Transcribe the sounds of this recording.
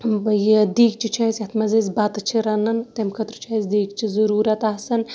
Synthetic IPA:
bɐjid̪iːk̚t͡ʃʰit͡ʃʰaːsʲɐt̪ʰmɐzɐzbɐt̪t͡ʃʰiɾɐnɐnt̪ɐmkʰɐt̪ɾut͡ʃʰaːzd̪iːkt͡ʃʰizɐɾuːɾɐt̪aːsɐn

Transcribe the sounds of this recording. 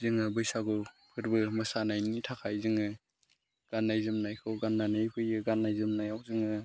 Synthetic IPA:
zɯŋɯbɯjsaɡɯpʰɯɾbɯmɯsanajnitʰakʰajzɯŋɯ | ɡ̥anːajzɯmnajkʰɯwɡanːanɯjpʰɯjɯɡanːajzɯmnajawzɯŋɯ

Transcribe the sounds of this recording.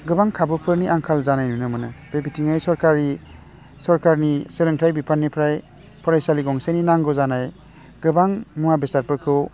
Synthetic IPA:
ɡɯbaŋkʰabɯpʰɯɾniʔaŋkʰalzanajnunɯmɯnɯbebitʰiŋajsɔɾkaɾi | sɔɾkaɾniseleŋtʰajbipʰanːipʰɾaj | pʰɔɾajsaliɡɔŋseninaŋɡɔzanaj | ɡ̥ɯbaŋmuwabesaɾpɯɾkʰɯw

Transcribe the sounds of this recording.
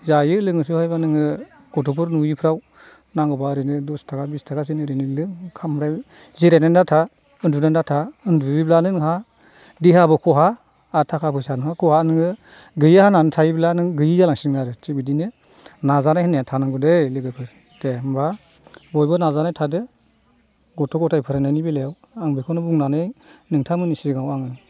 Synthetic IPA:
zajɯlɯŋɯsuhajbanɯŋɯ | ɡ̥ɔtʰup̬ʰɯɾnujipʰɾaw | naŋɡɔbaɾenɯdɔstʰaɡabistʰaɡasinɯɾenɯlɯŋkʰamɾa | ziɾenandatʰa | ɯndunandatʰaɯndubiblanɯnɯɦa | diɦabɯkʰɔɦaː | tʰakʰapʰɯsanɯŋhakʰɔhanɯŋɯ | ɡɯjahananɯtʰajiblanɯŋɡɯjizalaŋsimaɾɯt͡ʃibidinɯ | nazanajhɯneatʰanaŋɡɔdejlɯɡɯkʰɯɾ | temba | bɔjbɯnazanajtʰadɯ | ɡɔtʰɔɡɔtʰajpʰɯɾanajnibilejaw | aŋbɯkʰɔnɯbuŋnanɯjnɯŋtʰamɯnisiɡawaŋɯ

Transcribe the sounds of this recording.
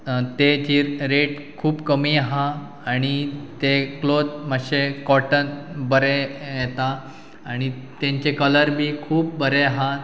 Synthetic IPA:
t̪ed͡ʑiːɾɾeʈ | kʰuːbkəmiaɦã | aɽ̃it̪eklod̪maɕekɔʈənbəɾejɛt̪aː | ɽ̃it̪ẽɲt͡ɕekələɾbʱiːkʰuːp̚bəɾeaɦa

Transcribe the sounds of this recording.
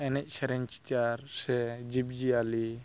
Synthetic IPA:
ɛnɛc̚ˀsɛɾɛɲt͡ʃi̥t̪ijaɾsɛd͡ʒib̚d͡ʒiali

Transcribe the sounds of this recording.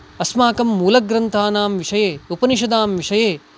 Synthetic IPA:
ɐsmaːkɐmːuːlɐɡɾɐnt̪ʰaːnaːmʋiʂɐjeːupɐniʃ̬ɐd̪aːmʋiʂɐjeː

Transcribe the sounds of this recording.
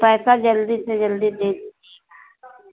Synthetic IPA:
pɛːsad͡ʒəld̪ised͡ʒəld̪id̪eːd̪ii

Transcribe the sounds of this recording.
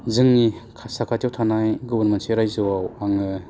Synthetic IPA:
zɯŋnikʰasakʰatʰjawtʰanajɡɔbɔɾmenseɾajzɯwawaŋɯ

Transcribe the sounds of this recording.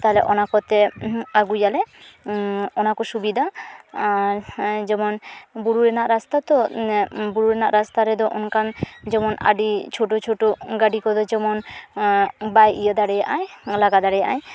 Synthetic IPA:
t̪aɦɛlɛ̰ʔɔnakɔt̪ɛaɡujalɛ | ɔnakɔsubid̪ʱa | d͡ʒɛmɔnbuɽuɾɛnaʔɾast̪at̪ɔ | buɽuɾɛnaʔɾast̪aɾɛd̪ɔʔɔnkand͡ʒɛmɔna̰ɖit͡ʃʰoʈot͡ʃʰoʈoɡaɖikɔd̪ɔd͡ʒɔmɔn | bajijɔd̪aɽɛjaʔajlaɡad̪aɽɛjaʔa̰j

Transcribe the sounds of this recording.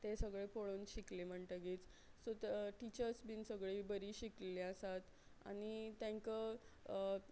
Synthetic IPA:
t̪esəɡɭepoɭoːnɕiklem̤əɳʈ̪əɡit͡s | sot̪ʈit͡ɕəɾsbiːnsəɡɭibəɾiɕikleleəsat̪ | a̰ñit̪ãŋkə

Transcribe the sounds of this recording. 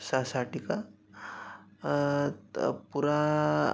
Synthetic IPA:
sasaʈika | puɾa

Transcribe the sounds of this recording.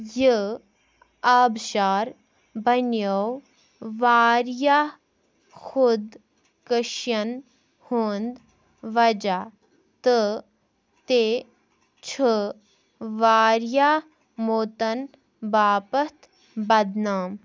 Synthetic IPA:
jə | aːbʃaːɾ | bɐnjow | ʋaːɾjaː | xud̪ | kəʃjɐn | hoːnd̪ | ʋɐd͡ʒaː | t̪ɨ | t̪e | t͡ʃʰə | ʋaːɾjaː | moːt̪ɐn | baːpɐt̪ | bɐd̪naːm

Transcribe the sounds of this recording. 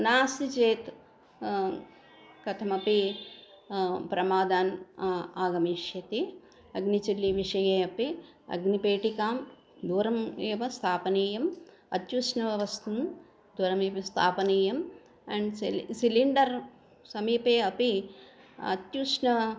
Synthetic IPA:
naːsit͡ʃeːt̪ | kɐt̪ʰɐmɐpi | pɾɐmaːd̪aːnːaːɡɐmiːʃjɐt̪i | ɐɡnit͡ʃilːiʋiʂɐjeːɐpi | ɐ̰ɡnipeːʈikaːm | d̪uːɾɐmeːʋɐst̪ʰaːpɐniːjɐm | ɐ̰t̪juʃnɐʋɐʋɐst̪ɐn | d̪uːɾɐmeːʋɐst̪ʰaːpɐniːjɐm | ɛːɳɖsiliɳɖɐɾ | sɐmiːpeːɐpi | ɐ̰t̪juːʂnɐ

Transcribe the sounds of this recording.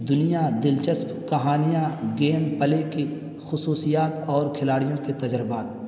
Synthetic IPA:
d̪ʊnijad̪ɪlt͡ʃəspkɐɦaːnijaɡeːmpəleki | xʊsuːsijaːt̪ɔːɾkʰɪlaːɽijõket̪ɐd͡ʒɾɪbaːt̪̚

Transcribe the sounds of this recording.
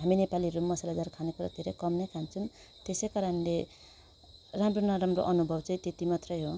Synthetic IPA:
ɦaminepaliɾumːʌsalad͡zarkʰanekuɾa̰t̪iɾʌjkʌmnʌkʰant͡sʰun | t̪esʌjkaɾanle | ramronaɾamroʔʌnubʱʌbt͡sãĩt̪et̪imat̪rʌjɦo

